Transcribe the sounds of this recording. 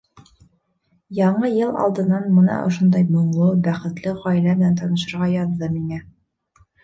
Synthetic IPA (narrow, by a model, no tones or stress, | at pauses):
jɒɴɤjɤlˠɒ̰lˠd̪ɤ̆nːɑnmɤ̆nɑ̰ʔŏ̰ʃond̪ɑjmŏɴlˠɤbæχɘ̆t̪lɘʁɒilæmɘ̆nænt̪ʰɒnɤ̆ʃɤ̆ɾʁɑjɑðd̪ɤmiŋæ